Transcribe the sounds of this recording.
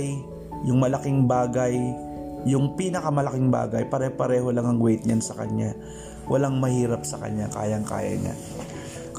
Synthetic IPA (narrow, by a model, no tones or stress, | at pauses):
j | jʊŋmɐlɐkɪŋbaːɡɐjː | ʊŋpiːnɐkɐmɐlɐkɪŋba̰ːɡɐjpɐɾɛpɐɾɛːho̞laŋɐŋɡwɛt̪̚ɲansɐkɐ̰ɲːa | wʔɐlaŋmɐhiːɾɐp̚sɐkɐ̰ɲːaka̰ːjɐŋka̰ːjɐ̰ɲa̰ | k